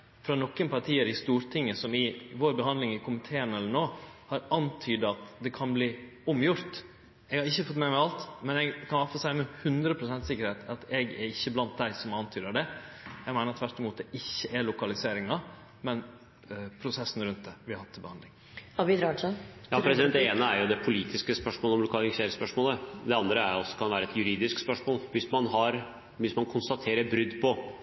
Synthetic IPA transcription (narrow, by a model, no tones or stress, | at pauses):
fɾɑnɔkːənpɑɾʈ̪ʰiːəɾɪst̪uːɾt̪ʰɪŋːəsɔmɪʋoːɾbəɦɑnd̪lɪŋɪkʰʊmɪt̪ʰeːənɛlːəɳoːhɑɾɑnt̪ʰyːd̪əɑt̪d̪ɛkʰɑnbliːʊmjʊɾt̪ | ɛɡhɑɾɪçːəfɔt̪ːmɛmɛɑlt̪mɛnɛɡkʰɑnɑfɑsæɪmɛhʉnd̪ɾəpʰɾʊsɛnt̪sɪkːəɾheːt̪ɑt̪ɛɡɛɾɪçːəblɑnt̪̚d̪æɪsɔmɑnt̪ʰyːd̪əɑd̪ɛjɛɡmæɪnɾɑt̪ʰʋæʈːɪmuːt̪d̪ɛʔɪçːəʔɛɭʊkɑlɪseːɾɪŋɑ | mɛn | pʰɾʊsɛsːn̩ɾʉnt̪̚d̪ɛʋɪhɑɾhɑt̪ʰːɪbəɑnd̪lɪŋ | ɑbɪd̪ɾɑʂənjɑːpʰɾɛsɪd̪ɛnd̪ɛeːnəæɾjʊd̪ɛpʰʊliːt̪ʰɪskəspœʂmoːləɔmlʊkʰɑːlɪŋseːɾspœʂmoːləd̪ɛɑnd̪ɾəæɾɔsːɔ̥kʰɑnʋæːɾəɛt̪jʉɾiːd̪ɪskspœʂmoːlʋɪsmɑnɦɑɾ | ʋɪsmɑnkʰʊnst̪ɑt̪ʰeːɾəbɾʏd̪ːpʰɔ